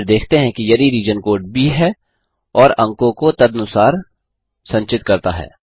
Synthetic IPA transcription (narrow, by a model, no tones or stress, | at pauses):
ɾd̪eːkʰt̪eɦɛ̃kijɐd̪iɾiːd͡ʒənkoːɾʈ̚bʱiɦɛ | ɔːɾɐ̃ŋkõkot̪ɐd̪ɐnʊsaːɾ | sɐ̃ɲt͡ʃɪt̪kɐɾt̪aɦɛ̰ː